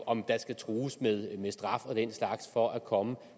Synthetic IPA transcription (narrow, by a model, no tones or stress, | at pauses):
ɒ̽md̥ɑ̈sɡ̥æt͡sʰʁuːsmeðˠmesd̥ʁɑ̈fɒ̽d̥en̰slɑ̈ɡ̥sfɒ̽ʔækʰɒ̽mə